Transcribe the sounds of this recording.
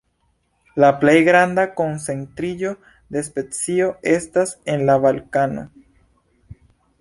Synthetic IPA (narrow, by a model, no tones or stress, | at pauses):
laplejɡɾand̪ako̞nsent̪ɾiʎo̞ | d̪e̞spet͡sio̞e̞st̪asenlaβalkano̰